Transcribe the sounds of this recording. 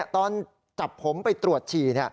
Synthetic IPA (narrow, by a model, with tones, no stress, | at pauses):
ɐt̪ɔː˧n | t͡ɕa˨˩pʰːo˩˦mpa˧jt̪ɾu˨˩ət̪̚t͡ɕʰiː˨˩ni˥˩ɐ